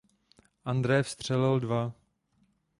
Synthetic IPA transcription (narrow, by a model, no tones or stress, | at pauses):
ʔand̪ɾɛjfst̪r̝̥ɛlɛldva